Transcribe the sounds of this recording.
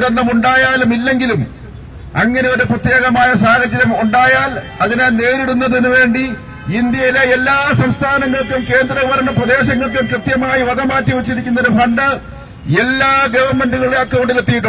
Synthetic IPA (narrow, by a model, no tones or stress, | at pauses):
ɾɐnːɐmuɳɖaːjaːlumilːe̞ŋɡilum | ɐ̰ŋːɐne̞o̞ɾuprɐt̪je̞ːɣɐmaːjɐsaːɣɐd͡ʑːɐɾɐmuɳɖaːjaːl | ɐðinene̞ːɾiɽunːɐðinuʋe̞ːɳɖi | ind̪jɐjileelːaːsɐmst̪ʰaːnɐŋːɐɭkːumke̞ːnd̪rɐʋuʋɐɾɐɳɐprɐd̪e̞ːɕɐŋːɐɭk̬ːumkrɨt̪jɐmaːjiʋɐd̪ɐmaːtːiʋɐt͡ɕːiɾikʲːunːɐo̞ɾufɐɳɖɨ | e̞lːaːɡɐʋɐrme̞ɳɖuɣɐɭeɐkːɐʋoɳɖilet̪ːijiʈ̬ːu